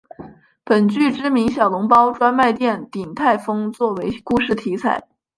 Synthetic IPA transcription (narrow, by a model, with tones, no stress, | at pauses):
pə˨˩nt͡ɕy˥˩ʈ͡ʂɻ̩˥mi˧˥ŋɕjɑ˨˩ʊlʊ˧˥ŋpɑ˥ʊʈ͡ʂwa˥nma˥˧ɪt̪jɛ˥˩nt̪i˨˩nt̪ʰa˥˩ɪfɤ˥ŋt͡swɔ˥˩we˧˥ɪku˥˧ʂɻ̩˥˩t̪ʰi˧˥t͡sʰa˨˩˦ɪ